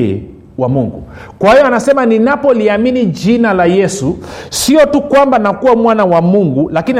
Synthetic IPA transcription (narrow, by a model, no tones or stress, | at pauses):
wamuŋɡṵkwahijɔanasɛmaninapɔliaminid͡ʒinalajɛsusiɔtukwambanakuwamwanawamuŋɡulakini